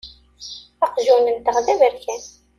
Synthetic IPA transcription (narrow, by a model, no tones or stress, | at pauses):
ɑqʒunənt̪əʁðævəɾkæn